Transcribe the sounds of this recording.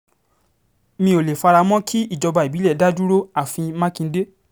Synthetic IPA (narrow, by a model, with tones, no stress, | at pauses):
mĩ˧˦o˨le˨fa˧ɾa˧mɔ̃˦kʰi˦i˦˨d͡ʒɔ˧ba˧˨i˨bi˨˦lɛ˦˨˦da˦d͡ʒu˦ɾo˦a˦˨fĩ˧mã˦kĩ˧n̩˦de˦